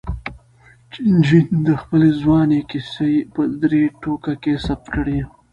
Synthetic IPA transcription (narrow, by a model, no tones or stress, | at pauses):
t͡ʃɪnd͡ʒind̪əxpəlezwɑnekɪsepəd̪ɾeʈokakesap̚t̪kəɽe